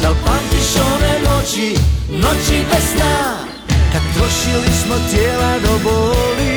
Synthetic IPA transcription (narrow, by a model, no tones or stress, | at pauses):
d̪alpat̪iʃonɛnot͡ʃi | not͡ʃibɛsna | kad̪̚t̪ɾoʃilismot̪jeːlad̪oboli